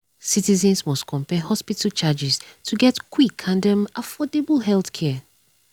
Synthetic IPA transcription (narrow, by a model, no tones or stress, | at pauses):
sitizɛ̃nsmɔstkʰɔ̃mpɛhɔspitalt͡ʃad͡ʒistʰuɡɛtkʰwikʰãndɛ̃mafɔdebəl̩ɦɛlθkʰɛ